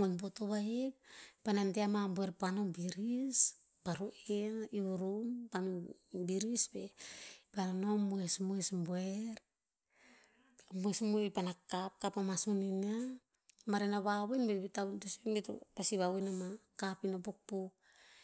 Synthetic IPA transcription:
onbotoβajek̚panamteamambueɾpano̞biɾis | paɾuʔeniuɾumpamibiɾisbe̞pananomuesmuesbueɾ | muesmuepanakap̚kapamasunina | maɾenaβawenbeβitawdosinbeto̰pasiβawenamakapinopok̚pu

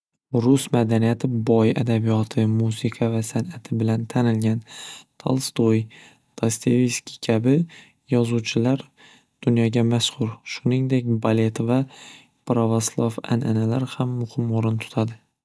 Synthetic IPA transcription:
ɾʊsmad̪anijat̪ʰɪbɒja̰d̪abijɒt̪ʰɪmusɪqʰɑvasanat̪ʰɪbɪlant̪ʰanɪlɡʲant̪ʰa̰lˠst̪oj | t̪ʰast̪ʰeviskʲi̥kʲʰabɪ | jɒzuwt͡ʃʰɪlaɾ | d̪̥ʊnjɒɡʲamaskʰʊɾʃʊnɪŋd̪ek̚ʲbale̞t̪va | pɾavaslˠafa̰nʔa̰nalaɾhamːʊhɪmoɾɪnt̪ʰʊ̥t̪ʰad̪ɪ

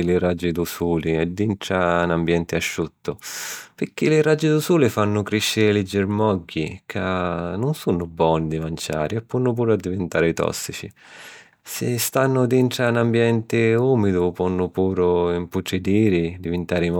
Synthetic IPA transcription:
lɪrad͡ʒːɪd̪usuːliɛd̪ːinʈ̪ɾanambjɛnt̪ɪaʃːut̪ːʊpɪk̟ːilɪrad͡ʒːɪd̪usuːlɪfanːʊkɾiʃːɪɾɪlɪd͡ʒɪɾmɔɡːikʰanːʊnsunːʊbːɔːnid̪imant͡ʃa̰ːɾiɛpːɔnːʊp̬uːɾʊad̪ːivɪnt̪aːɾɪt̪ɔ̰sːit͡ʃḭ | sɪ̰st̪anːʊd̪iɳʈ̪ɾanambjɛnt̪ɪuːmid̪ʊpɔnːʊpuːɾʊimput͡ʃːɪd̪iːɾɪd̪ivɪnt̪aːɾim

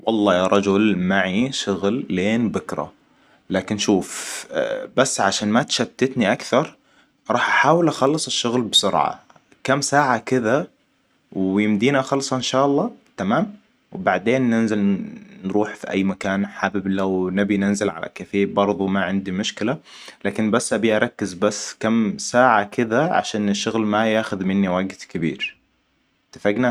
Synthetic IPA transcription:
wɑlˤːɑːjaɾˤɑd͡ʒʊlmaʕiʃʊɣlːeːnbʊkɾˤa̰ | laːkɪnːʃuːf | basːʕaʃaːnmat̪ʃat̪ːɪt̪niʔakθɑɾˤ | ɾˤɑːħʔaħaːwɪlʔaxɑlːɨsˤɪʃːʊɣlbsʊɾʕa̰ | kamːsaːʕakɪða | wjɪmd̪iːnaxɑlsˤɑʔɪnʃaːʔɑlˤːɑːt̪amaːm | wɪbaʕd̪eːnːɪnzɪlnɾuːħfiʔa̰jːmakaːnħabɪblawnabinɪnzɪlʕa̰lʔa̰kafeːbɑɾˤðˤumaʕɪnd̪imʊʃkɪla | laːkɪnbasːʔabiʔɑɾˤɑkːɪzbasːkamsaːʕakɪðaʕa̰ʃaːnɪʃːʊɣlmajaːxʊðmɪnːiwaɡt̪kɪbḭːɾ | t̪ḁfaɡna

